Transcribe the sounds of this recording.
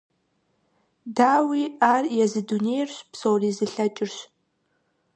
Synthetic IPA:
daːwiarjazɨdunejrʃʷpʰsowrizɨɬat͡ʃʼɪrʃʷ

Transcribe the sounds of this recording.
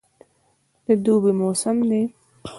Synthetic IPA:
d̪̥əd̪ubimosəmd̪e

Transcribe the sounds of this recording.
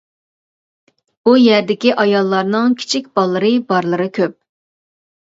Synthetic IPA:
bujæɾd̪ɪkʲiʔɑjɑlˠːɑɾnɨŋkʲʰi̥t͡ʃʰikʲb̥ɑlˠːɨɾɨbɑɾlˠɨɾɨkʲʰøp̚

